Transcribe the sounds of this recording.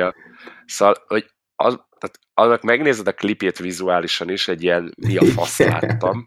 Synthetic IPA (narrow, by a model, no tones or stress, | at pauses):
ɒ | sovɒlho̞ɟ | ɒ̰zt̪aːt̪ | ɒnːɒkmɛɡneːzɛd̪ɒklipeːt̪ʋizuaːliʃɒniʃɛɟːijɛnmiɒfɒ̰st̪la̰ːt̪ːɒm